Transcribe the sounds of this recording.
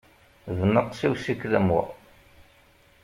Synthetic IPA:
ðnəqːsiwsikːðæmwæ̰

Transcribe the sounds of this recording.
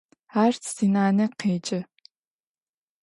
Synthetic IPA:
aːrt͡sʰz̥inaːnɐqeːt͡ʃʼɐ

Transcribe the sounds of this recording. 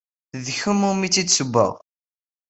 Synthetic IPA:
ðçumʊmit͡sːid̪səbːə̰ʁ

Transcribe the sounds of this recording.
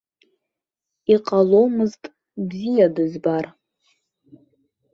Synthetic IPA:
iqʼalomɨztʼ | bzijadɨzbar

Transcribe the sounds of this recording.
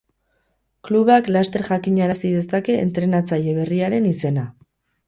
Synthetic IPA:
kluβeaklast̪e̞ɾʝakiɲaɾasiðe̞sake̞̰ːnt̪ɾe̞nat͡saje̞β̞e̞riaɾe̞nise̞na

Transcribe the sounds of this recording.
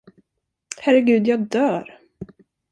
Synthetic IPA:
hæɾɛɡʉ̟ːd̪jɑːɡ̚d̪œːɾ

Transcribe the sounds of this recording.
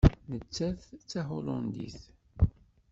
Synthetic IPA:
nət͡sːæθt͡sːaɦʊlʊ̰nd̪ḭθ

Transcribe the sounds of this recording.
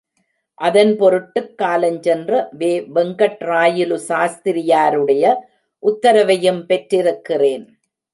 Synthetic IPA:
ʔɐðɐnpɔɾɯʈːɯkːaːlɐɲt͡ʃɛndrɐʋeːʋɛŋɡɐʈraːjɪlɯsaːst̪ɪɾɪjaːɾɯɽɐjɐ | ʔʊt̪ːɐɾɐʋɐjɯmpɛʈɾɪɾɯkːɪreːn

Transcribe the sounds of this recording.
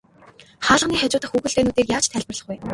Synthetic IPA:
χaːɮə̆niːχat͡ɕʊːt̪ə̆χxuːxɘ̆ɮt̪eːnuːt̪eːrjaːt͡ɕt̪ʰæːɮʲpə̆rɮə̆χɡuj

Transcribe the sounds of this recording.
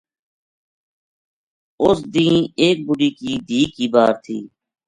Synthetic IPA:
ʊsd̪ĩːeːk̚bʊɖiːkiːd̪ʱiːkiːbaːɾt̪ʰḭː

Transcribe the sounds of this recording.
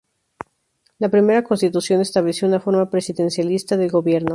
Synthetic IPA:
lapɾime̞ɾako̞nst̪it̪usjo̞ne̞st̪aβlesjo̞unafo̞ɾmapɾesiðe̞nsjalist̪aðe̞lɡɣo̞βje̞ɾno̞

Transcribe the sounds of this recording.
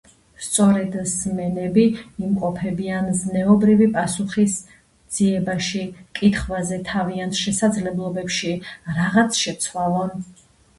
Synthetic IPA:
st̪sʼɔɾɛd̪zmɛnɛbiimqʼɔpʰɛbianznɛɔbɾivipʼasuχis | dd̪z̥iɛbaʃikʼit̪χvazɛt̪ʰaviant̪ʰʃɛsad̪zlɛblˠɔbɛpʃiɾaʁat̪sʰʃɛt̪sʰwalˠɔn

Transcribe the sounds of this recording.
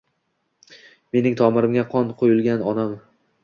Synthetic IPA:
me̞nɪŋt̪ʰɒmɪɾɪmɡʲaqʰɒnqʰojɪlˠɡʲanɒnam

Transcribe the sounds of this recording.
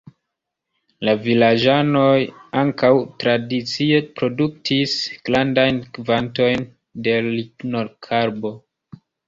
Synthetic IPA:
lavilad͡ʒano̞jaŋkawtɾadit͡siepɾo̞duk̚tʰisɡ̥landajnkvanto̞jn | de̞likno̞ɾkʰaɾbo̞

